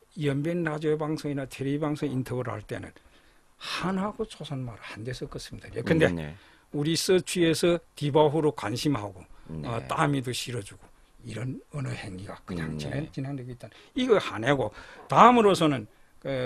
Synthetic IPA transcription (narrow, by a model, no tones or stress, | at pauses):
jʌmbenːad͡ʑʌbaŋsʰoŋinatʰeɾibaŋsʰoŋintʰʌɡɯɾohaɭt͈e̞̰nɯ̰n | hanɦaɡot͡ɕʰosʰanmaɾɯhandesʰʌk͈ʌs͈ɯmindɯɾijokɯnde̞ | uɾis͈ɯt͡ɕʰiesʰʌtibaɸuɾokwanɕʰimhaɡoʌt͈amidoɕʰiɾʌd͡ʑuɡo | iɾʌnʌnʌheŋɲiɡakɯɲa̰ŋt͡ɕineŋt͡ɕineŋdweɡoit͈anɯniɡʌhaneɡotaɯmɯɾosʰʌnɯn | ke